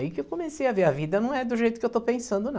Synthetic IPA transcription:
ikɪewkomesejɐveɾɐvid̪ɐnɐ̃w̃ɛd̪ʊʒejt̪ʊkɪewt̪opẽsɐ̃nd̪ʊnɐ̃

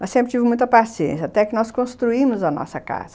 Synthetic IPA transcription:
mɐssẽmpɾt̪ivɪmũj̃t̪ɐpasiḛ̃sjɐat̪ɛkɪnɔskõst̪ɾuimʊzɐnɔ̰sɐka̰zɐ

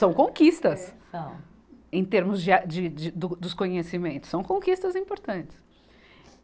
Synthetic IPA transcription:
sɐ̃w̃kõkist̪ɐsɐ̃ | ẽj̃t̪eɾmʊzd͡ʒɪad͡ʒɪd͡ʒɪd̪ʊd̪ʊskõɲesimẽnt̪ʊ̥sːɐ̃w̃kõkist̪ɐzĩpoɾt̪ɐ̃nt͡ʃɪ̥s

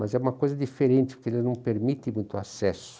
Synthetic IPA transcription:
mɐzɛũmɐkojzɐd͡ʒifeɾẽnt͡ʃ̪ɪ̥pʊɾkelɪznɐ̃w̃peɾmit̪ɪ̃mũj̃t̪ʊasɛsʊ̥

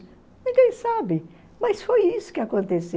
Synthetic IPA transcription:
nĩɡẽj̃sabɪ | mɐsfojisʊ̥kɪakõnt̪ese

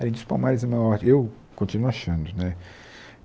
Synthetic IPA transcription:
aɾẽd̪ʊspawmaɾɪzɐmaɔɾew | kõnt͡ʃinuaʃɐ̃nd̪ʊnɛ

